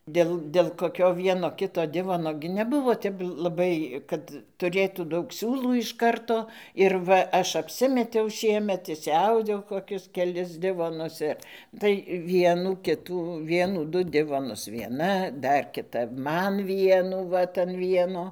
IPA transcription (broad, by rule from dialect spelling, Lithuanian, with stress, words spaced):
ˈdʲeːlˠ dʲeːlˠ koːˈkʲoː ˈʋʲiɛnoː ˈkʲɪtoː ˈdʲɪʋoːnoː ɡʲɪ nʲɛˈbʊʋoː ˈtʲɛp lˠɐˈbɐɪ ˈkɐt tʊˈrʲeːtuː ˈdɐʊk ˈsʲuːlˠuː ɪʃ ˈkɐrtoː ɪr ˈʋɐ ˈɐʃ ɐpʲˈsʲɪmʲɛtʲɛʊ ˈʃʲiɛmʲɛt ɪʃʲsʲɪˈɐʊdʲɛʊ koːˈkʲʊs kʲɛˈlʲɪs ˈdʲɪʋoːnʊs ɪr tɐɪ ˈʋʲiɛnuː ˈkʲɪtuː ˈʋʲiɛnuː ˈdʊ ˈdʲɪʋoːnʊs ʋʲiɛˈnɐ ˈdɐr kʲɪˈtɐ ˈmɐn ˈʋʲiɛnuː ˈʋɐt ɐn ˈʋʲiɛnoː